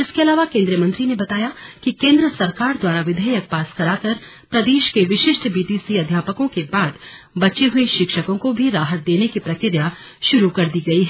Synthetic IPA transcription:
ɪskeɐlaːʋakẽːnd̪ɾijəmɐ̃nt̪ɾinebɐt̪aːjakikẽːnd̪ɾəsɐɾkaːɾd̪waːɾaʋɪd̪ʱəjək̚paːskɐɾaːkɐɾ | pɾɐd̪eːʃkeʋɪʃɪʃʈbiːʈiːsiɐd̪ʱjaːpəkõkebaːd̪ | bɐt͡ʃeɦʊeʃɪkʃəkõkobʱiɾaːɦət̪̚d̪eːnekipɾɐkɪɾja | ʃʊɾukɐɾd̪iɡɐiɦɛː

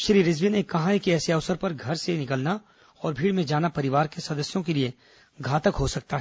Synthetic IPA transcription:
ʃɾiːɾɪzʋinekɐɦãɦekiɛːseɐʋsəɾpɐɾɡʱɐɾsenɪkəlna | ɔːɾbʱiːɽmẽd͡ʒaːnapɐɾɪʋaːɾkesɐd̪əsjõkelie | ɡʱaːt̪əkɦosɐk̚t̪aɦɛ

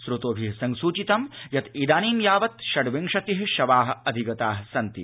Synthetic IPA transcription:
sɾut̪oːbʱisɐŋsuːt͡ʃit̪ɐmjɐt̪id̪aːniːmjaːʋɐt̪ʃɐɽʋiŋʂɐt̪iɦʃɐʋaːɦɐ̆ɐd̪ʱiɡɐt̪aːɦɐsɐnt̪ḭ

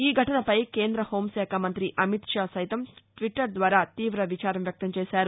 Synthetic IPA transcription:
iːɡʱɐʈɐnɐpɐjke̞ːnd̪ɾɐho̞ːmsɛːkʰamɐnt̪ɾiʔɐmit̪ʂaːsɐjt̪ɐmʈʋiʈːɐɾd̪ʋaːɾaːt̪iːʋɾɐʋit͡ʃaːɾɐmjɐk̚t̪ɐmt͡ʃeːsaːɾu

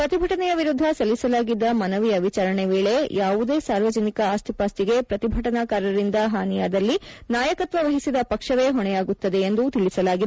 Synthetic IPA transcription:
pɾɐt̪ibʱɐʈɐnɛjɐʋiɾud̪ʱːɐsɐlːisɐlaːɡid̪ːɐmɐnɐʋijɐʋit͡ʃaːɾɐɳeʋeːɭe̞jaːʋud̪e̞ːsaːɾʋɐd͡ʒɐnikɐaːst̪ʰipaːst̪iɡe̞pɾɐt̪ibʱɐʈɐnaːkaːɾɐɾind̪ɐɦaːnijaːd̪ɐlːinaːjɐkɐt̪ʋɐʋɐɦisid̪ɐpɐkʂɐʋe̞ɦɔɳɛjaːɡut̪ːɐd̪e̞ːnd̪ut̪iɭisɐlaːɡid̪

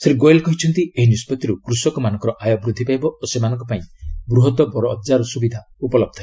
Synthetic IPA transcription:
sɾiɡojelkɔɦit͡ʃʰɔnt̪ieɦinispɔt̪iɾukɾusɔkɔmanɔŋkɔɾɔʔajɔbɾud̪ʱːipajbɔosemanɔ̃ŋkɔpaĩbɾuɦɔt̪ɔbɔɾɔːdd͡ʒaɾɔsubid̪ʱa | upɔlɔb̚d̪ʱʰae

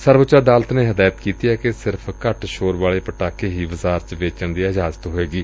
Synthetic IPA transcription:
səɾʋət͡ʃaːd̪aːlət̪neːɦəd̪aːjət̪kiːt̪iɛːkesɪɾpʰkəʈʃoːɾʋaːleːpəʈaːkeːɦiːʋəzaːɾt͡ʃʋeːt͡ʃəɳd̪iːaɪd͡ʒaːzət̪ɦoːeːɡiː

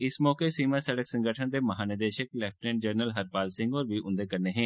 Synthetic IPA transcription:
ɪsmɔːkesiːmãːsəɽəksə̃ŋɡʱəʈʰənd̪eːməɦaːnɪd̪eːʃəklɛːfʈnẽːɳd͡ʒəɾnəlɦəɾpaːlsɪ̃ŋɡɔːɾbiʔʊ̃nd̪ekəɾneɦɛ̃ː

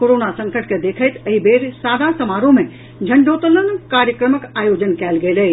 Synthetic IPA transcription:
koɾonasə̃ŋkəʈked̪eːkʰəɪt̪əɦibeːɾsaːd̪ʱasəmaːɾõmẽ | d͡ʒʱəɳɖoːt̪ələnkaːɾjəkɾəməkaːjod͡ʒənkɛːlɡelə

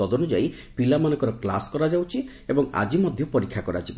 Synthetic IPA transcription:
ɔd̪ɔnud͡ʒai | pilamanɔ̃ŋkɔɾɔkla̰skɔɾad͡ʒawt͡ʃʰi | ebɔŋa̰d͡ʒimɔd̪ʱjɔpɔɾikʰːakɔɾa̰t͡ʃʰib

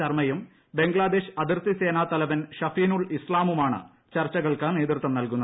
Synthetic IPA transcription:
ɐrmɐjum | be̞ŋɡɭaːd̪e̞ːɕɐd̪irt̪ise̞ːnaːt̪ɐlɐʋɐnɕɐfiːnuɭislaːmumaːɳɨ̰ | t͡ɕɐrt͡ɕːɐɣɐɭkɐne̞ːd̪rt̪ːɐmnɐlkunːɐ

